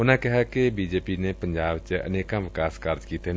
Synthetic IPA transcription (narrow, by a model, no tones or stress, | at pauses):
ʊnãkɪɦakebiːd͡ʒeːpiːnepəɲd͡ʒaːbt͡ʃəə̰neːkãʋɪkaːskaːɾd͡ʒkiːt̪en